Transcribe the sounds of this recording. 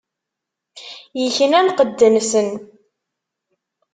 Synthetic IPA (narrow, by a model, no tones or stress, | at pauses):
jəçənænqəd̪ːənsən